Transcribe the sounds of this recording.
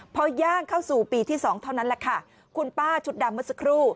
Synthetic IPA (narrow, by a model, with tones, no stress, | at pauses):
pʰɔː˧˥jaː˥˩ŋkʰa˥˩wsuː˨˩piː˨˩t̪ʰiː˥˩sɔː˩˦ŋt̪ʰa˥˩wna˦˥nlɛ˧˩kʰa˥˩ | kʰu˧npaː˥˩t͡ɕʰu˨˩t̪̚da˨˩mːɯ˦˥t̪̚sa˧˥kʰɾuː˥˩